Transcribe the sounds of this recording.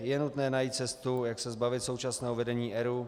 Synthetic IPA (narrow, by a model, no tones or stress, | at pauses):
jɛnut̪nɛːnajit̪t͡sɛst̪ujaksɛzbavɪt̪sowt͡ʃasnɛːɦovɛdɛɲiːʔɛɾu